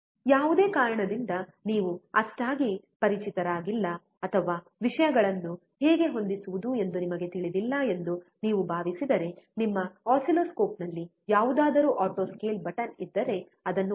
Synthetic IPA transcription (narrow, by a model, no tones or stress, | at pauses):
jaːʋud̪e̞ːkaːɾɐɳɐd̪ind̪ɐniːʋuɐʂʈaːɡi | pɐɾit͡ʃit̪ɐɾaːɡilːɐ | ɐt̪ʰɐʋaː | ʋiʂɐjɐɡɐɭɐnːu | ɦeːɡe̞ɦo̞nd̪isuʋud̪ue̞nd̪unimɐɡe̞t̪iɭid̪ilːɐe̞nd̪uniːʋubʱaːʋisid̪ɐɾe̞nimːɐaːsiloːsko̞ːpnɐlːi | jaːʋud̪aːd̪ɐɾuːʔaːʈo̞ːskeːlbɐʈɐnid̪ːɐɾe̞ | ɐd̪ɐnːu